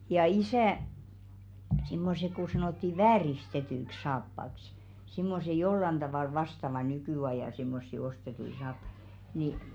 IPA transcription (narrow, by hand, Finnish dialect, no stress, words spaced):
jɑ isæˑ simːose ku sɑnoˑtːi ʋæːristetyĭks̆ sɑːpːɑks simːose jolːɑn d̥ɑʋɑˑl ʋɑstɑʋɑ nykyˑɑjɑˑ simːosːi ostetui sɑːpːɑ̥i̥ ni